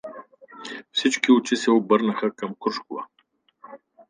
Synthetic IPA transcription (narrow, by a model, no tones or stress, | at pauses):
fsit͡ʃkiʊt͡ʃisɛobəɾnəxəkɐmkɾuʃkʊvə̰